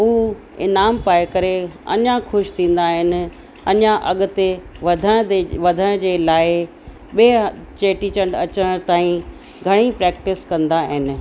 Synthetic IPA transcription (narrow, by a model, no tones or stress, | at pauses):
ɦuː | ɪ̰naːmpaːɪkɐɾeɐ̰ɲãxʊʃt̪ʰĩːn̆d̪aɦɪnɪ̆ | ɐɲãʔɐɠʊ̆t̪eʋɐd̪ʱə̃ʋɐd̪ʱəɽ̃d͡ʑeːlaːɪ | ɓet͡ɕeːʈit͡ɕɐ̃ɳɖɐt͡ɕəɽ̃t̪aːĩ | ɡʱɐɽ̃ipɾɛːkʈɪskɐ̃nd̪aɦɪnɪ̆